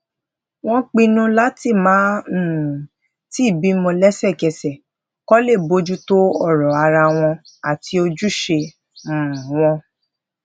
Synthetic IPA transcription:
w̃ɔ̃˦k͡pĩ˧nũ˧la˦ti˦˨mãː˨˦˨ | ti˦˨bi˨˦mɔ̃˧lɛ˦sɛ˦˨kɛ˧˨sɛ˨ | kɔ˦le˦˨bo˨˧˦d͡ʒu˦to˦ɔ˦˨ɾɔ˨a˧ɾa˧w̃ɔ̃˧ | a˨ti˧o˧d͡ʒu˦ʃe˧ | m̩̃˨w̃ɔ̃˧

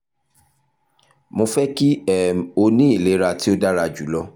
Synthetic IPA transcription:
mõ˧fɛ˦ki˦ɛ˨o˧nĩ˦i˦˨le˨˦ɾa˧ti˦o˦da˦ɾa˧d͡ʒu˨˦lɔ˦

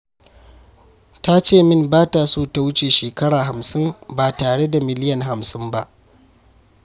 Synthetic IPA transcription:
ta˦t͡ʃeː˦˨mɪ˦mbaː˦ta˨suː˦ta˦wʊ˦t͡ʃeː˨ʃeː˨kɐ˦ɽaː˨ɦa˨msɪ˦mbaː˨taː˨ɽe˦da˨mɪ˨lɪ˦jɐ˨nɦa˨msɪ˦mba˦ʔ

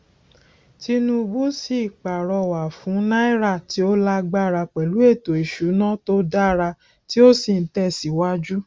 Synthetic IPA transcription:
ti˦nũ˦˧bu˦si˦˨k͡pa˨ɾɔ˧wa˨fũ˨˦nã˦i˦ɾa˦˨ti˨˦o˦la˦ɡ͡ba˦˨ɾa˧k͡pɛ˨lu˨˦e˦˨to˨i˨ʃu˨˦nã˦to˦da˦ɾa˧ | ti˦o˦si˦˨n̩˦tɛ˦˨si˨˦wa˦d͡ʒu˦

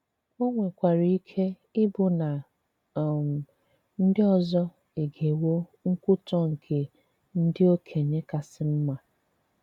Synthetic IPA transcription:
o˦ŋʷe˨kʷa˨ɾi˨˦i˦kʰe˦ | ɪ˦bʊ˨na˨ | m˨ | n̩˦dɪ˦ɔ˨zɔ˦ | e˨ɡe˨wo˦ŋ̩˦kʊ˦tɔ˦ŋ̩˨kʰe˨ | n̩˦dɪ˦o˦kʰe˨ɲe˦ka˨sɪ˦m̩˦ma˨

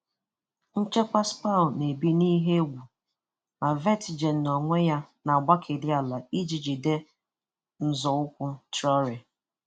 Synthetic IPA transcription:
n̩˦t͡ʃe˦ka˦spa˦˨ne˨bi˦ni˦ɦe˦ɡʷu˨ | ma˨ve˦tɪ˨d͡ʒe˨n̩ː˨ɔ˨ŋʷe˦ja˦na˨a˨ɡ͡ba˦kʰe˨dɪ˦a˨la˨i˦d͡ʒi˨d͡ʒi˨de˦ | n̩˦zɔ˨ʊ˦kʷʊ˦tɾɔ˦ɾe˨

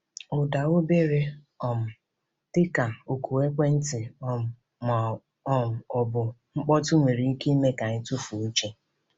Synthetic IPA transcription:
ʊ˨da˨wʊ˦be˦ɾe˦ | ɔ˨m̩˨ | tɪ˦ka˨o˨kʰu˨we˦kʷe˦n̩˦tɪ˨ɔ˦˨ | m˨ | ɔ˦m̩˨ɔ˨bʊ˨ŋ͡m̩˦k͡pɔ˦tʊ˦ŋʷe˨ɾi˨˦ke˦i˦me˦ka˨ɲɪ˦tʊ˦fu˨˦t͡ʃe˦

